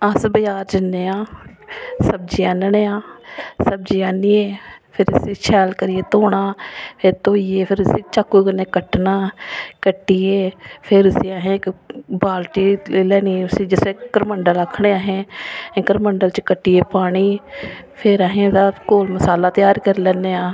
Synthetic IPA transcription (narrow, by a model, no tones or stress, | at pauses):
əsbəjaːɾd͡ʒɪnːeːãː | səb̚d͡ʒiaːnəneːãːsəb̚d͡ʒiːaːnieːpʰɪɾɪset͡ʃʰɛːlkəɾɪjeːt̪oːɳaːpʰɪɾt̪oːijeːpʰɪɾɪset͡ʃəkːukəneːkəʈnaːkəʈːijeːpʰɪɾɪsiːaɦẽkbaːlʈiːlɛːniːʊsid͡ʒɪsekəɾməɳɖələkʰːɳeːaːɦẽːkəɾməɳɖəlt͡ʃkəʈːijeːpaːɽiːpʰɪɾəɦẽːt̪aːkoːlməsaːlaːt̪ɪjaːɾkəɾlɛːnːeãː